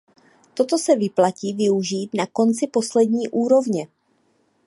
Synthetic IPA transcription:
t̪o̞t̪o̞sɛvɪplaciːvɪuʒiːt̪nako̞nt͡sɪpo̞slɛdɲiːʔuːɾo̞vɲɛ

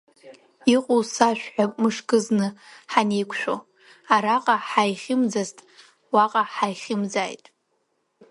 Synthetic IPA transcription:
iqʼusaʃᶣħapʼmɨʂkʼɨznɨħanejkʷʰʃʷᶣo̰ | aɾaqʼaħajχʲɪmd͡zaztʼ | waqʼaħajχʲɪmd͡zajtʼ

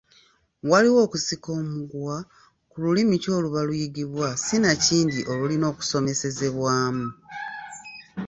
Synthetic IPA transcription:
waliwo̞ːkusiko̞ːmuɡwa | kululimico̞ːluβalujiɡiβwasinaciːndiʔo̞lulino̞ːku̥so̞me̞se̞ze̞βwaːmu

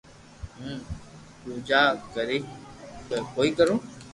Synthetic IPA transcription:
ɦũː | t̪ũːd͡ʒaːkəɾiːkəkoːiːkəɾũː

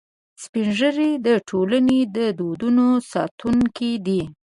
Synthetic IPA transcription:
spinʒəɾid̪əʈʰolaned̪əd̪od̪unosɑt̪ʰuŋkid̪i

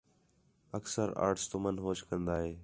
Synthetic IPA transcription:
əksəɾa̰ːɾʈst̪omənɦoːt͡ʃkə̃nd̪aːɦeː

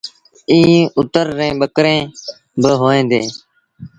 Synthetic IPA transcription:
ĩːʊt̪əɾːẽːɓəkɾẽː | bəɦoːẽːnd̪eː

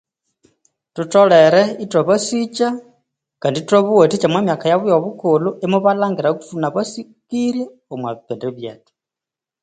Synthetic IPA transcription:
tutɔlɛɾɛitwɔβosit͡ʃa | kanditwoβuotit͡ʃamwamjakajaβujɔβukuluʔɛmuβalaŋɡiɾaku̥tunaβasikiɾjɛ | omwaββɛndɛβjɛːti̥

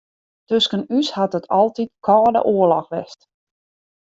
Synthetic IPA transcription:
tøskənyshatətʰɔlˠtit̚kʰɔːdə̰ʔoəlɔxʋɛst

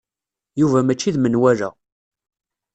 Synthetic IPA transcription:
juvæmæt͡ʃːiðmənwæɾæ̰

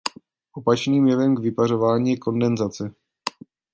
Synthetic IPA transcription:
ʔo̞pat͡ʃniːmjɛvɛmɡvɪpar̝o̞vaːɲiːjɛko̞ndɛnzat͡sɛ

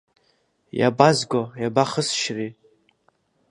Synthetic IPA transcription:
ja̰bazɡʷojabaχəsʃri

